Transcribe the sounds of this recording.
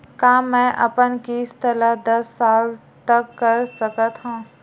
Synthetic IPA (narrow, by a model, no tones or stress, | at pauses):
kaːmɛ̃ːʔɐ̰pənkist̪ʰəlad̪ɐsːaːl | t̪ɐkːɐɾsəkət̪ɦãː